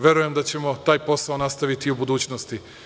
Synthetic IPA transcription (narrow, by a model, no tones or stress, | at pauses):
ʋʲje̞ɾuje̞md̪at͡ɕe̞mo̞t̪aːjpo̞saonast̪aʋit̪iubud̪uːt͡ɕnost̪i